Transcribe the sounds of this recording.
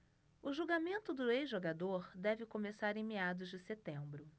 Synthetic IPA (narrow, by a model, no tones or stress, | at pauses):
ʊʒuɡamẽnt̪ʊd̪ʊezʒoɡad̪oɾd̪ɛvɪkomesaɾẽj̃mead̪ʊzd͡ʒɪset̪ẽmbɾʊ